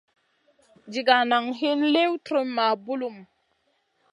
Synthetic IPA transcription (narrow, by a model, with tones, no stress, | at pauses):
d͡ʒi˨ɡa˨na˨ŋɦi˦nle˦wtɾə˦mːa˨bu˦lu˦˨m